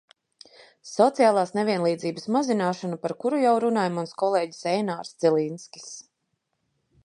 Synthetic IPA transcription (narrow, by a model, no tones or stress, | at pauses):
sɔt̪sijaːlˠaːsnevʲiɛnlˠiːd̪ziːbəsmazinaːʃanupaɾkuɾujawɾunaːjmunskɔlˠeːɟi̥sɛjnaːɾsd̪z̥ɛlˠinskʲi̥s